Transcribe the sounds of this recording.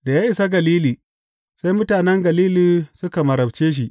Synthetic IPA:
da˨jaː˦ʔɪ˨sa˦ɡɐ˨liː˦liː˨ | sa˦jmʊ˦taː˨nɛ˦ŋɡɐ˨liː˦liː˨sʊ˦ka˨mɐ˨ɾɐ˨b̚t͡ʃeː˦ʃ̬i˦ʔ

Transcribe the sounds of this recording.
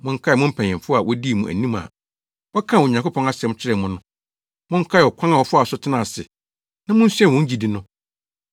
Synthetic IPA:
mʊ̃˦ŋ̩˦kʰa˦˨mʊ̃˦m̩˦pʰɛ̃˨ɛ̃˨fʊ˦a˨wʔɔ˦di˦˨mũ˨ʔæ̰˨nĩ˦m˨a̰˨ | wɔ˦kʰã˦˨wɔ˨ɲã˨ŋko˦pʰɔ̃˦na˦sɪ˨ɛ˦m˦t͡ɕʰɪ˦ɾɛ˦˨mʊ̃˦nʊ̃˦ | mʊ̃˦ŋ̩˦kʰa˦ɛ˨ɔ˨kʰã˦ŋa˨wɔ˨fʊ˦a˨sʊ˦tʰɪ˦nã˨sɪ̰˨ | nã˦mʊ̃˦n̩˦sɥɛ˦˨wɔ̃˦ɲ̩˦d͡ʑi˨di˦nʊ̃˦

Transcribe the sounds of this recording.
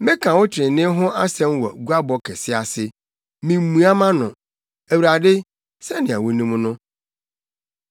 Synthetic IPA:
mɪ̃˦kʰã˨wʊ˦t͡ɕʰɪ˨ɾɪ˨nɪ̃˦ɦʊ̃˦ʔa˦sɛ̃˦mwɔ̰˨ɡu˦a˦bɔ˦kʰɛ˨sɪ˦a˨sɪ˦ | mĩ˨m˦mũ˨a˦mã˦nʊ̃˨ | æ˨wu˨ɾa˨dɪ˦ | sɛ˦nɪ̃˨a̰˨wʊ˦nĩ˦m˦nʊ̃˦

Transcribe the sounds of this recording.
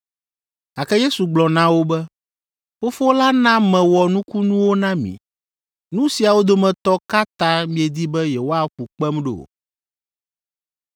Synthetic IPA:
a˨kɛ˦je˦su˨ɡ͡blɔ˨nã˦wo˦bɛ˦ | fo˦fo˦la˦nã˦mɛ̃˨wɔ˨nũ˦ku˦nũ˦wo˦nã˦mḭ̃˨ | nũ˦si˨a˨wo˦d̪o˦mɛ̃˨t̪ɔ˦ka˦t̪ã˦mĩ˦ɛ˨d̪i˦bɛ˦jɛ˨wo˦a˦ɸu˨k͡pɛ˦mɖe˨o̰˨

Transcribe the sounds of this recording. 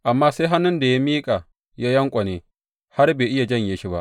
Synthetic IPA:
ʔa˨mːaː˦se˦ɦa˦nʊ˦nda˨ja˦miː˦kʼa˨ | ja˦jɐ˦ŋkʷʼa˨neː˨ | ha˦rbeː˨ʔɪ˦ja˨d͡ʒɐ˦ɲja˦ʃi˦ba̰˦ʔ

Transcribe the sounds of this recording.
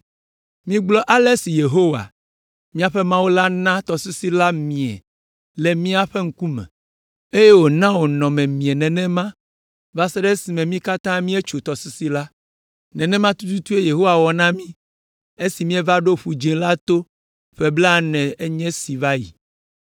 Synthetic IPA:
mĩ˦ɡ͡blɔ˦ʔa˦le˦si˨je˨ɦo˦wa̰˨ | mĩ˦a˨ɸe˦mã˦wo˦la˦nã˦t̪ɔ˨su˦si˦la˦mĩ˨ɛ̰˨ | le˨mĩ˦a˨ɸe˦ŋ̩˦ku˦mɛ̰̃˨ | e˦je˦wo˨nã˦wo˨nɔ̃˨mɛ̃˨mĩ˨ɛ˨nɛ̃˨nɛ̃˦mã˦ | va˦se˦ɖe˦si˨mɛ̃˨mĩ˦ka˦t̪ã˦mĩ˦e˦t͡ʃu˨t̪ɔ˨si˦si˦la˦ | nɛ̃˨nɛ̃˦mã˦t̪u˦t̪u˦t̪u˦e˦je˨ɦo˦wa˨wɔ˨nã˦mĩ˦ | e˦si˨mĩ˦ɛ˦va˦ɖo˦ɸu˨d͡ʒĩ˨la˦t̪o˦ | ɸe˦bla˦nɛ̃˨e˦ɲɛ̃˦si˨va˦jḭ˨

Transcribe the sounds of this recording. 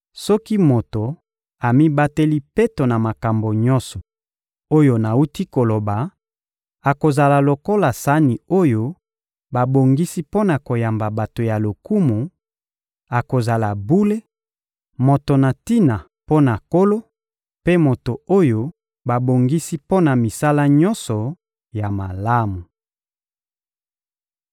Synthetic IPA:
sɔ˦ki˦mo˨to˨ | a˨mi˦ba˦te˦li˦pe˦to˨na˨ma˨ka˨mbo˨ɲɔ̃˦sɔ˨ | o˦jo˦na˨u˦ti˦ko˨lo˨ba˨ | a˨ko˨za˨la˨lo˨ko˦la˨sa˦ni˨o˦jo˦ | ba˨bo˨ŋɡi˦si˦po˦na˨ko˨ja˨mba˨ba˨to˨ja˨lo˨ku˦mu˨ | a˨ko˨za˨la˨bu˦le˦ | mo˨to˨na˨ti˦na˨ | po˦na˨ko˦lo˦ | pe˦mo˨to˨o˦jo˦ | ba˨bo˨ŋɡi˦si˦po˦na˨mi˨sa˦la˦ɲɔ˦nsɔ˨ | ja˨ma˨la˦mu˨

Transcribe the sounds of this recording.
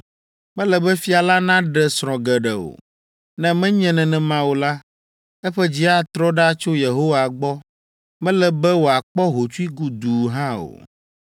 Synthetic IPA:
mɛ̃˦lɛ˨bɛ˦fi˦a˨la˦nã˦ɖɛ˨sɾ̃ɔ̃˨ɡɛ˨ɖɛ˨o̰˨ | nɛ̃˦mɛ̃˦ɲɛ̃˦nɛ̃˨nɛ̃˨mã˦wo˨la˦ | ɛ˦ɸɛ˦d͡ʑi˦a˦t̪ɾɔ˦ɖa˦t͡ʃo˦je˨ɦo˦wa˨ɡ͡bɔ˦ | mɛ̃˦lɛ˨bɛ˦wo˨a˨k͡pɔ˦ɦo˨t͡ʃu˦i˦ɡu˦d̪u˨ɦã˦o̰˨

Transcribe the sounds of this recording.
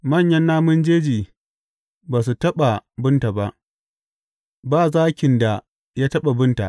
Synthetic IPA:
mɐ˦˨ɲjɐ˦nːaː˦mʊ˦nd͡ʒeː˦d͡ʒiː˨ | baː˨s̬u˨tɐ˦ɓa˨bʊ˦nta˨ba˦ʔ | baː˦˨zaː˦kʲɪ˨nda˨ | jaː˦tɐ˦ɓa˨bʊ˦nta̰˨ʔ

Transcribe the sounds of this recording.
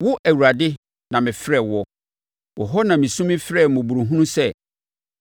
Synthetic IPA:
wʊ˦ʔæ˨wu˨ɾa˨dɪ˦ | nã˨mɪ̃˨fɾɛ˨wɔ˦ | wɔ˨ɦɔ˦nã˨mĩ˨sũ˦mɪ̃˦fɾɛ˦˨mʊ̃˨bu˨ɾu˨ɦũ˦nũ˦sɛ˦

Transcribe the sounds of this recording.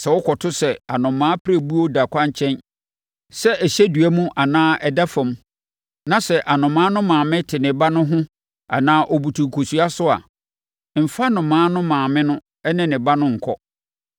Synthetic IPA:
sɛ˨wɔ˦kʰɔ˨tʰʊ˦sɛ˨a˨nʊ̃˨mːãː˦pʰɾæ˦˨bu˦o˦da˨kʷʰã˦ɲ˦t͡ɕʰɛ̃˦n | sɛ˦ʔɛ˨ɕɛ˦du˨æ˦mũ˦ʔa˨nãː˦ʔɛ˨da˦fã˨m˦ | nã˨sɛ˨ʔa˨nʊ̃˨mːãː˦nʊ̃˦mãː˨mɪ̃˦tʰɪ˨nɪ̃˨ba˦nʊ̃˦ɦʊ̃˦ | a̰˨nãː˦ʔɔ˨bu˨tʰu˨kʰo˨su˨a˦sʊ˦a̰˨ | m̩˨fa˦nʊ̃˨mãː˨˦nʊ̃˦mãː˨mɪ̃˦nʊ̃˦ | ɛ˦nɪ̃˦nɪ̃˨ba˦nʊ̃˦ŋ̩˨kʰɔ˦

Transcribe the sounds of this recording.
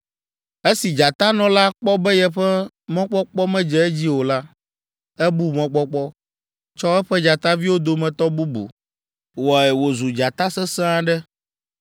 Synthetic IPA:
e˦si˨d͡ʒa˨t̪a˦nɔ̃˨la˦k͡pɔ˦bɛ˦jɛ˨ɸɛ˦ | mɔ̃˦k͡pɔ˦k͡pɔ˦mɛ̃˦d͡ʒɛ˨ɛ˦d͡ʑi˦wo˨la˦ | ɛ˦bu˦mɔ̃˦k͡pɔ˦k͡pɔ˦ | t͡ʃɔ˦ɛ˦ɸɛ˦d͡ʒa˨t̪a˦vi˦wo˦d̪o˨mɛ̃˨t̪ɔ˦bu˦bṵ˨ | wɔ˨ɛ˨wo˨zu˨d͡ʒa˨t̪a˦sɛ˦sa˦ɖɛ˦

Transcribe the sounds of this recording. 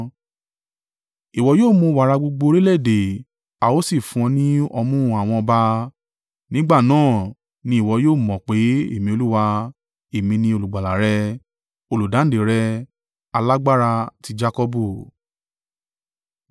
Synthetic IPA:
i˨wɔ˧˦joː˦˨mũ˧wa˨ɾa˧ɡ͡bo˧ɡ͡bo˧ɾi˦lɛ˦˨de˨ | a˨wo˦si˦˨fũ˧ɔ̃˧nĩ˦ɔ˧mũ˦˨a˨w̃ɔ̃˧ɔ˧ba˧ | nĩ˦ɡ͡ba˦˨nãː˦˨ | nĩ˧i˨wɔ˧joː˦˨mɔ̃˨k͡pe˨˦ḛ˦˨mĩ˧o˧lu˦wa˧ | e˨mĩ˧nĩ˧o˧lu˨ɡ͡ba˨la˨ɾɛ˧ | o˧lu˨dã˨˦de˨ɾɛ˧ | a˧la˦ɡ͡ba˦ɾa˧ti˧d͡ʒa˧kɔ˧bu˦˨

